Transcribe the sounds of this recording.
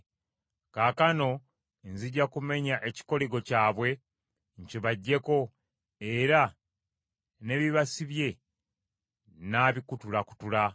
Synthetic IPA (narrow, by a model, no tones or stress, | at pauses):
kaːkano̞ | nziɟːakume̞ɲaʔeci̥ko̞liɡo̞caːβwe̞ | ɲciβaɟːe̞ko̞ | eɾa | ne̞βiβasiβje̞ | naːβikutulaku̥tula